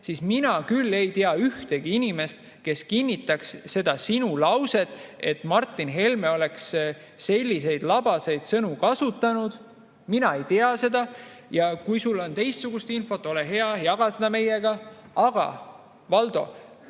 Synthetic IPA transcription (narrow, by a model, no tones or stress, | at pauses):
sisminɑkylːe̞jt̪eɑyht̪e̞ɡ̥iinime̞st̪ | ke̞skinʲːit̪ːˑɑksːe̞d̪̥ɑsinulɑwse̞t̪ːˑe̞t̪mɑrt̪ːˑinɦe̞lmeo̞le̞ks | se̞lʲːise̞jd̪̥lɑb̥ɑse̞jd̪̥sɤnukɑsut̪ˑːɑnud̪̥ | minɑe̞jt̪eɑse̞d̪̥ɑ | jɑkujsulːo̞nt̪e̞jst̪suɡ̥ust̪info̞t̪ˑːo̞leɦe̞ɑjɑɡ̥ɑsed̪̥ɑme̞jeɡ̥ɑɑɡ̥ɑ̰ | vɑld̪o̞̰